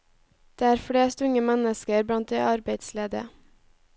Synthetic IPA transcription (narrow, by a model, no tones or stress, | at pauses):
d̪̥eːæːɾfɽeːst̪ʉŋəmɛnəskəɾbɽɑnt̪̚d̪eːʔɑɾbeɪd̪sleːd̪ə̰